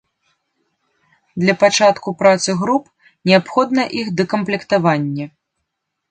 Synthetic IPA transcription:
d̪lʲɐpat͡ʂat̪kupɾat̪sɨɣɾup̚ | nʲɛapxɔd̪nɐʔixd̪ɐkɐmplʲɛkt̪avanʲːɐ

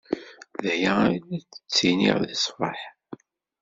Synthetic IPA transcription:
ðæjæilæt͡sːə̥t͡sːinḭʁðisˤfɑ̰ħ

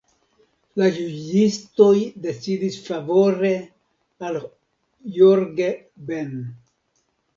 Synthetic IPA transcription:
lad͡ʒud͡ʒisto̞jde̞t͡sidisfavo̞ɾe | al | joɾɡe | ben

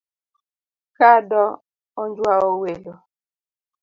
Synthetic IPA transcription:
kadɔ | ɔnd͡ʒwaowelo

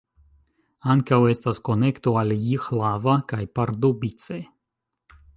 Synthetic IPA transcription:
aŋkawest̪askonekt̪oaljixlavakajpaɾd̪obit͡se

